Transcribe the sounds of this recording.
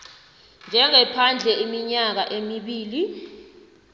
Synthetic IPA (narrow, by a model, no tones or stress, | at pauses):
nd͡ʒʱɛŋɛpʰand͡ɮʱɛimiɲak̬aʔemiɓiːli